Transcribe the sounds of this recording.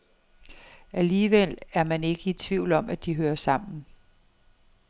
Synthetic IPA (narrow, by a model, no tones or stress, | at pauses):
ʔæliːʋel̰æɐmæne̝ɡ̥əi̥t͡sʰʋiʊ̰lɒ̽mʔæd̥iɦøːɐsɑ̈m̰n̩